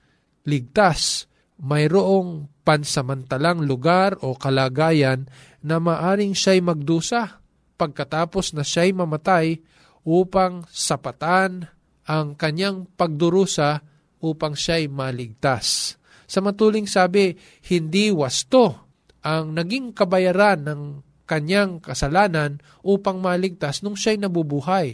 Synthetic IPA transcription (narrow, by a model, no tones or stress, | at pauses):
lɪɡ̚t̪as | mɐjɾoʔo̞ŋpɐnsɐmɐnt̪ɐlaŋlʊɡaɾʔo̞kɐlaːɡaːjɐnː | ɐmaːʔaːɾɪŋʃajmɐɡ̚d̪uːsɐ | pɐɡ̚kɐt̪aːpo̞snɐʃajmɐmɐt̪aj | ʔuːpɐŋsɐpɐt̪an | ʔɐŋkɐɲjaŋpɐɡ̚d̪ʊɾuːsa | ʔuːpɐŋʃajmɐlɪɡ̚t̪asː | ɐmɐt̪uːlɪŋsaːbɪ | hɪnd̪iwɐst̪o | ʔɐŋnɐɡiŋkɐbɐjaɾanːɐŋ | kɐɲjaŋkɐsɐlaːnɐn | ʔuːpɐŋmɐlɪɡ̚t̪asnʊŋʃajnɐbubuɦaj